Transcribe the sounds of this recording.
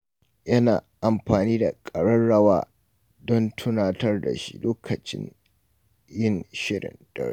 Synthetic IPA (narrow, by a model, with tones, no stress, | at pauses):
jɐ˦na̰ː˨ʔa˨mɸaː˨niː˦da˨kʼɐ˨ɽɐ˦nɽɐ˦wa̰ː˦˨ | dɔ˦ntʰʊ˦naː˨tɐ˦rda̰˨ʃḭ˦loː˦kʰɐ˨t͡ʃɪ̰˦n | jɪ˦˨nʃɪ˦ɽɪ̰˨nd̥ɐ̰˨ɾḛ˦